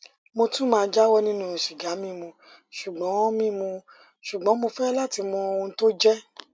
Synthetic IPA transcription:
mo˧tũ˦mãː˧˦d͡ʒa˦wɔ˦nĩ˦nũ˦ɛ˨ʃi˨ɡa˨˦mĩ˦˨mũ˧ | ʃu˨ɡ͡bɔ̃˨˦mĩ˦mũ˧ | ʃu˨ɡ͡bɔ̃˨˦mo˧fɛ˦la˦˨ti˧mɔ̃˧o˧wũ˧˦to˦d͡ʒɛ˦

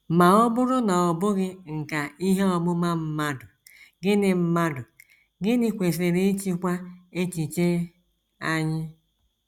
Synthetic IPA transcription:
ma˨ɔ˦bʊ˦ɾʊ˦na˨ɔ˨bʊ˦ɣɪ˦ŋ̩˨ka˨i˦ɦe˦ɔ˨bʊ˦ma˦m̩˦ma˦dʊ˨ | ɡɪ˦nɪ˨m̩˦ma˦dʊ˨ | ɡɪ˦nɪ˦kʷe˨se˨ɾe˦t͡ʃi˦kʷa˦e˦t͡ʃi˨t͡ʃe˦ | a˦ɲɪ˦

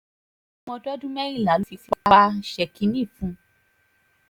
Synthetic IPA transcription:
mɔ̃˧dɔ˦dũ˦mɛ˦ɾĩ˦˨la˨˦lu˦fi˧fa˦ʃɛ˨kĩ˧˦nĩ˦˨fũ˧˦

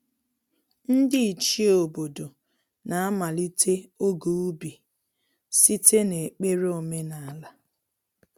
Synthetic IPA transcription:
n̩˦dɪ˦i˨t͡ʃi˦o˨bo˨do˨ | na˨a˦ma˨li˦tʰe˦o˦ɡu˨u˦bi˨ | si˦tʰe˦ne˨k͡pe˦ɾo˨me˦na˨la˦

